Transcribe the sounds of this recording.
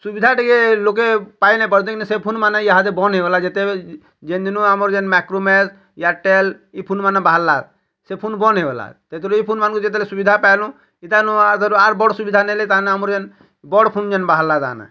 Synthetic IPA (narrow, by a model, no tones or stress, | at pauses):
subid̪ʱaʈikelok̬epajnap̬əɾd̪ẽkinisepʰunmanaiaɦad̪ebɔnɦeʋlad͡ʒet̪e | d͡ʒend̪inũamɔɾd͡ʒɛnmɛkɾomes | jaʈelipʰunmanabaɦalːad̪̚ | sepʰunbɔnɦeʋela̰t̪et̪ɔɾuipʰunmankud͡ʒet̪̬elesubid̪ʱapajlũ | it̪anũat̪ɔɾuaɾbɔɽsubid̪ʱanɛlet̪anamɔɾd͡ʒen | bɔɽpʰund͡ʒɛnbaɦalːad̪a̰na̰